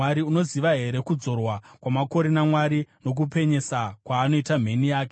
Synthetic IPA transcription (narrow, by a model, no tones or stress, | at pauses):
aɾiuno̞ziʋaɦe̞ɾe̞kud͡zo̞rwakwamako̞ɾe̞namwaɾino̞k̬upe̞ɲe̞sakwaːno̞itam̤e̞nijaːke